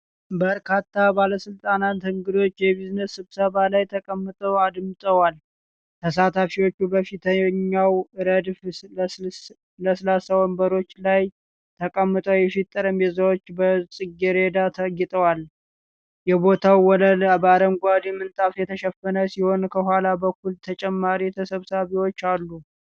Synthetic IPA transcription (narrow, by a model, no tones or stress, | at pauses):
bəɾkʰat̪ʰːabaləsɨlt̪ʼanat̪hɨŋɡɨd̪o̞t͡ʃːjɛbiznəsːɨβsəβalajt̪ʰəkʼəmːɨt̪ʼəwad̪ɨmɨt̪ʼəwal | t̪ʰəsat̪ʰafiwo̞t͡ʃːubəfit̪ʰəɲːawɨɾəd̪f | ləslasawɔmbəɾo̞t͡ʃːlaj | t̪ʰəkʼəmːɨt̪ʼəwjɛfit̪ʼːəɾɨmjɛzəwot͡ʃːbəsʼɨɡːiɾe̞d̪at̪ʰəɡɪt̪ʼəwal | jɛbo̞t̪ʰawwɔləlabad̪əŋɡʷad̪ɛmːɨnt̪ʼafjɛt̪ʰəʃɛfənəsiho̞nkʰəhʷwalabəkːult̪ʰət͡ʃʼɛmːaɾit̪ʰəsəβsaβiwo̞t͡ʃːalːu